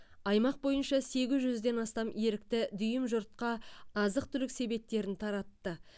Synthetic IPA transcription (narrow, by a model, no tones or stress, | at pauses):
ɑjmɑq̚bo̞jənʃɑse̞ɡʲɪzʒʏzd̪e̞nɑst̪ɑme̞ɾɪk̚t̪ɪd̪ʏjɪmʒʊɾt̪̚qɑɑzəq̚t̪ʰʏlɪkse̞be̞p̚t̪ːe̞ɾɪnt̪ʰɑɾɑt̪ːə